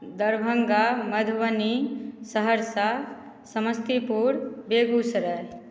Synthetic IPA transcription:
d̪əɾbʱəŋɡaməd̪ʱwənisəɦəɾsa | səməst̪ipuɾbeɡusɾə

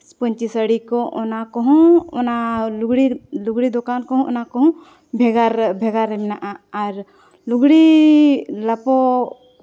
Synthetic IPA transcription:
pɔɲt͡ʃisəɽikɔʔɔnakɔɦɔ̃ɔnaluɡɽiluɡɽid̪ɔkankɔɦɔ̃ɔ̰nakɔɦɔ̃ | bʱɛɡaɾbʱɛɡaɾɛmnaʔaːɾ | luɡɽi | lapɔ

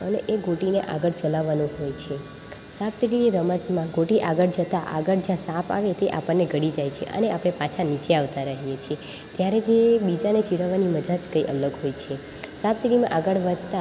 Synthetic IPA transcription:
əneʔeɡoʈineʔaɡəɭt͡ʃəlaʋanũɦojt͡ʃʰe | sapsiʈiniɾəmət̪mãɡoʈiʔaɡəɭd͡ʒət̪aʔaɡəɭd͡ʒãsãpa̰ʋet̪eʔa̰pəɳːeɡʱəɽid͡ʒajt͡ʃʰḛʔə̰neʔapɽ̃epãt͡ʃʰanit͡ʃeaʋt̪aɾəɦijet͡ʃʰie | t̪jaɾed͡ʒebid͡ʒanet͡ʃiɽəʋːaniməd͡ʒad͡ʒkəiʔə̰ləɡɦojt͡ʃʰe | sapsiʈimãʔaɡəɭʋəd̪ʱt̪a

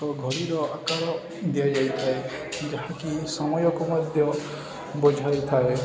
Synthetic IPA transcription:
ɔɡʱɔɾiɾɔakaɾɔ | d̪iad͡ʒajt̪ʰae | kid͡ʒaɦãkisɔmɔjɔkumɔd̪ʱjɔ | bɔd͡ʒʱajt̪ʰae

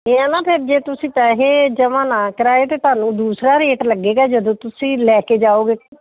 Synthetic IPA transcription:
ɦeːãːnaːpʰɪɾd͡ʒeːt̪ʊsĩːt͡ʃaːɦeːd͡ʒəmãːnãːkɾaːet̪et̪aːnũːd̪uːsɾaːɾeːʈləɡːeːɡaːd͡ʒəd̪õːt̪ʊsĩːlɛːkeːd͡ʒaːoːɡeː

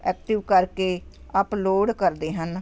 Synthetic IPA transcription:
ɛːkʈɪʋkəɾkeːəploːɖkəɾd̪eːɦən

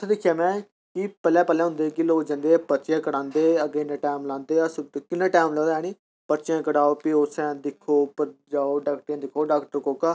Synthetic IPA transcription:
t̪ʰeːd̪ɪkʰjaːmɛ̃ː | kɪpɛlɛ̃ːpɛlɛ̃ːɦʊ̃nd̪eːkɪloːkd͡ʒãːnd̪eːpətːt͡ʃjãːkəɽãːnd̪eːəɡenãːʈaːmlãːnd̪eːəskɪnːãːʈaːmlɛ̃d̪ɛːñiː | pəɾt͡ʃjãːkəɽaːoːpɪoːsɛ̃ːd̪ɪkʰoːpəɾd͡ʒaːoːɖaːk̚ʈɾjãːd̪ɪkʰoːɖaːkʈəɾkoːkaː

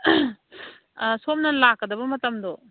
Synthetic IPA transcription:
somnɐlakːɐdɐbɐmɐtɐmdɔ

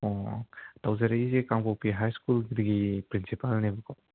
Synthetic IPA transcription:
ɔtawzaɾeizikaŋpawpiɦajskulɡidiɡipɾinsipalnebukaw

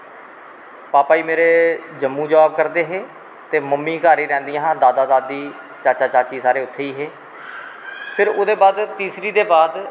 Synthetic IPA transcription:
paːpaːiːmeːɾeːd͡ʒəmːũːd͡ʒəʋaːb̚kəɾd̪eːɦeː | t̪eːməmːiːkaːɾiːɾɛ̃ːnd̪ijãːɦːd̪aːd̪aːd̪aːd̪iː | t͡ʃaːt͡ʃaːt͡ʃaːt͡ʃiːsaːɾeːʊt̪ʰːeːiːɦeː | pʰɪɾoːd̪eːbaːd̪t̪iːsɾiːd̪eːbaːd̪

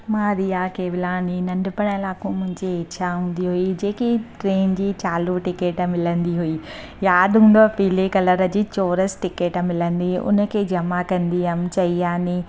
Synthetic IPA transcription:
mãːɾijakeːbɪlaːninɐ̃ɳɖpəɽ̃əɪlaːkũmʊ̃ɦɪ̃ɲd͡ʑiet͡ɕʰaɦũːnd̪iɦuid͡ʑeːkiʈɾeːnd͡ʑiːt͡ɕaːluʈɪkeːʈmɪlə̃nd̪iɦui | jaːd̪ɦũːnd̪opiːlekɐləɾə̆d͡ʑiːt͡ɕoːɾəsʈɪkeːʈmɪlə̃nd̪iʊ̰nəkʰeːd͡ʑɐmakɐ̃nd̪iəmt͡ɕɐiaːni

